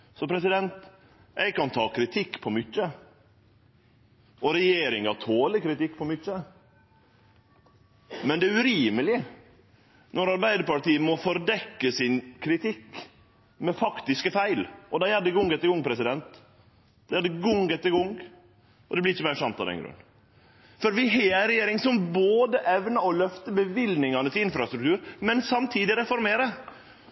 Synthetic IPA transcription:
sɔpʰɾɛs̬ɪd̪ɛnt̪ | ʔɛɪɡ̚kɑnt̪ʰɑːkʰɾɪt̪ʰɪkːpʰɔmʏçːə | ʔɔɾɛjeːɾɪŋɑt̪ʰoːləkʰɾɪt̪ɪkːpʰɔmʏt͡ʃːə | mɛnd̪ɛæɾʉɾiːməlɪ | nɔɾɑɾbæɪd̪əɾpɑʈiːəmɔfɔɾd̪ɛkːəsɪnkʰɾɪt̪ʰɪkː | mɛfɑkt̪ɪskəfæɪlʔɔd̪ɑjæd̪əɡʊŋɡɛt̪ːəɾɡʊŋːpʰɾɛsɪd̪ɛnt̪ | d̪ɛæd̪əɡʊŋɡɛt̪ːəɡʊŋ | ɔd̪ɛblɪɾɪçːəmæɪʂɑnt̪ɑ̰d̪ɛ̰nɡɾʉ̰nː | fɔɾʋɪɦeːɾɛjeːɾɪŋsɔmboːd̪əʔɛʋnɑɔlœft̪əbəʋɪlnɪŋɑnət̪ʰɪlɪnfɾɑst̪ɾʉk̚t̪ʰʉːɾmɛnsɑmt̪ʰiːd̪ɪɾɛfɔɾmeːɾə

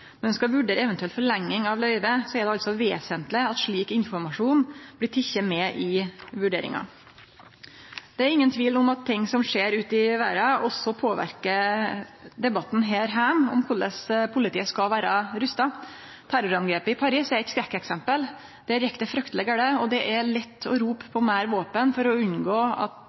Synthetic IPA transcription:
mɔnʋɛnskɑʋʉɖeːɾəɛʋɛnt̪ʉɛlt̪fɔɭɛŋːɪŋɑʋlœʏʋəsɔɛɖ̪ɛɑlt̪sɔʋḛːsənt̪lɪɑt̪ʂɭiːkɪnfɔɾmɑʂuːnb̥̪ɪt̪ʰɪçːəmɛːʔɪʋʉɖeːɾɪ̰ŋɑ̰ | d̪̥ɛæɾɪŋːənt̪ʰʋiːlʊmɑt̪ʰːɪŋːsɔmʂeːɾʉːt̪ɪʋæ̰ːɾɑɔsːɔpʰoːʋæ̰ɾkə | d̪ɛbɑt̪ːn̩ɦeːɾɦæːmɔ̰mkʰʊɭəspʰʊlɪt̪iːəskɑʋæːɾɑɾʉst̪ɑ | t̪ʰæɾʊɾɑnɡɾeːpɪpʰɑɾiːsɛɾɪk̪skɾɛkːɛksɛmpəl | d̪̥ɛæɾjɛkt̪əfɾʉkt̪əlɛɡəɽəɔd̪ɛʔæɭɛt̪ːɔɾuːppʰːɔmæːɾʋoːpənfɔɾɔʉnɡoːɑ̰t̪

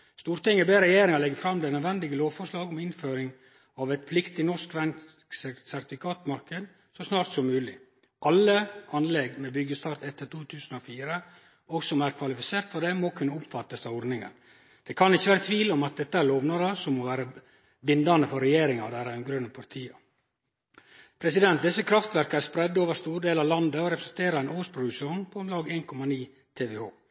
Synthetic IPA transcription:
st̪uːɾt̪ɪŋːəbeːɾɾɛjeːɾɪŋɑlɛɡːəfɾɑmd̪ɛnœd̪ʋɛnd̪ɪɡəloːʋfɔʂlɑːɡɔmɪnføːɾɪŋ | ɑʋɛɪt̪flɪkt̪ɪnɔʂkʋɛn | ssæɾt̪ɪfɪkʰɑːt̪mɑɾkəd̪ | sɔsnɑːɾt̪sɔmʉːlɪ | ʔɑlːəɑnlɛɡmɛbʏɡːəst̪ɑɾt̪ɛt̪ːət̪uːt̪ʰʉːsn̩ɔfiːɾə | ɔɡsɔmæɾkʰʋɑlɪfɪseːɾt̪fɔɖɛmɔkʰʉnːəʊpfɑt̪ːəsɑʋɔɾnɪŋə̰n | d̪̥ɛkʰɑnɪçːəʋæːɾət̪ʰʋiːlɔmɑt̪̚d̪ɛt̪ːəæɾɭoːʋnɑɾəsɔmoːʋæːɾə | bɪnd̪ɑnd̪əfɔɾɛjeːɾɪŋɑ̰ʋd̪æɾɑnɡɾœnəpʰɑɾt̪ʰiːɑ | pʰɾɛsɪd̪ɛnt̪̚d̪ɪsːəkʰɾɑft̪ʋæɾkəæɾspɾɛd̪ːoːʋəɾst̪uːɖeːlɑʋlɑnd̪əɔɾɛpɾəsɛnt̪ʰeːɾɑɛɪnoːspʰɾʊd̪ʉʂuːnpʰɔmlɑːɡeːnkʰɔmɑniː | t̪ʰeːʋɛoː

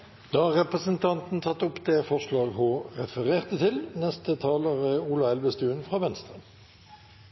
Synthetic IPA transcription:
d̪̥ɑːɑʁɛpʁəsənt̪ʰɑnt̪n̩t̪ʰɑt̪ːʊpd̪eːfɔʁʂlɑːɡhoːʁɛfəʁeːʁt̪ət̪ʰɪlnɛst̪ət̪ʰɑːləʁəuːlɑɛlʋəst̪ʉːənfʁɑːʋɛnst̪ʁə

